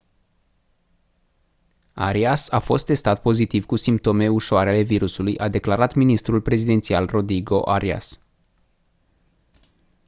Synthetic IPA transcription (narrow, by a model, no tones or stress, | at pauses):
a̰ɾiasafo̞st̪ːe̞st̪at̪̚po̞zit̪ivkusimp̚t̪o̞me̞uʃoaɾeale̞viɾusulujʔad̪e̞klaɾat̪minist̪ɾulpɾe̞zid̪e̞nt̪sialro̞d̪ɾiɡo̞ʔaɾia̰s